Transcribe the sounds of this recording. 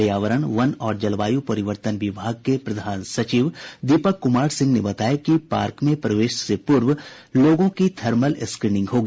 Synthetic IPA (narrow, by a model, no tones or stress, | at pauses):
jaːʋəɾəɽ̃ʋɐnɔːɾd͡ʒɐlʋaːjupɐɾɪʋəɾt̪ənʋɪbʱaːɡ̚kepɾɐd̪ʱaːnsɐt͡ʃiːʋd̪ipəkːʊmaːɾsɪ̃ŋɡnebɐt̪aːjekipaːɾkmẽpɾɐʋeːʃsepʊɾʋloːɡõkid̪ʰʱɐɾməlɪskɾiːnɪ̃ŋɡɦoːɡi